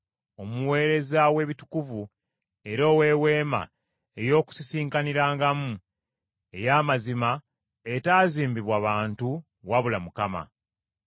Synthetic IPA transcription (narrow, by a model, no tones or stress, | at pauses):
o̞muwe̞ːɾe̞zawe̞βitu̥kuvu | e̞ɾo̞ːwe̞ːwe̞ːma̰ | e̞jo̞ːku̥sisiːŋkaniɾaːŋɡamu | e̞jaːmazima | etaːziːmbiβwaβaːntu | waβulamukama̰